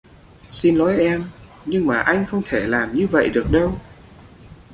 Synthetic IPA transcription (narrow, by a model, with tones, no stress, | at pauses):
si˧nlɔ˨˦jʔɛ˧m | ɲɨ˧ŋmaː˨˩ʔa˧jŋ̟xə˧wŋ͡mt̪ʰe˧˩laː˨˩mɲɨ˧və̰˧˨jɗɨ˨˩ək̚ɗə˧w